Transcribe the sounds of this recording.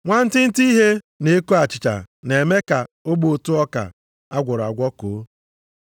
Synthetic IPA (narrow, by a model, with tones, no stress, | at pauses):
ŋʷa˦n̩˦tɪ˦n̩˦ti˦ɦe˦ | ne˨e˦ko˦a˨t͡ʃɪ˨t͡ʃa̰˨ne˨me˦ka˨o˦bo˨tu˦ɔ˦ka̰˨ | a˦ɡʷʊ˨ɾa˨ɡʷɔ˦ko˨˦